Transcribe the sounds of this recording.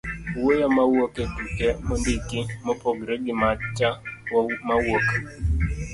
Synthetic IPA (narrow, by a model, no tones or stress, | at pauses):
wojomawoketukemondikɪmɔpoɡɾeɡɪmat͡ʃamawok